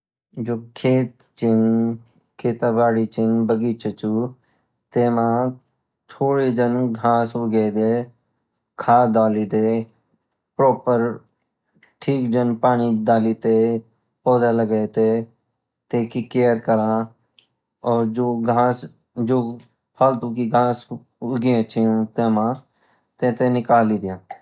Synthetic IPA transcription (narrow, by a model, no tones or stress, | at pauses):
d͡ʒoːkʰeːt̪ | t͡ʃɪn | kʰeːt̪ãːbaːɽit͡ʃɪnbəɡiːt͡ʃʰət͡ʃuː | t̪eːmãː | t̪ʰoːɽid͡ʒənɡʱaːsɦoɡeːd̪eː | kʰaːd̪aːlid̪eː | pɾɔːpəɾ | ʈʰiːkd͡ʒənpaːñiːd̪aːliːt̪eː | poːd̪aləɡet̪eː | t̪eːkikeːəɾkəɾãː | ɔːɾd͡ʒoːɡʱaːs | d͡ʒoː | pʰəlt̪uːkiɡʱaːs | ʊɡẽt͡ʃĩːt̪eːmãː | t̪ẽːt̪eːnɪkaːliːd̪ɪjãː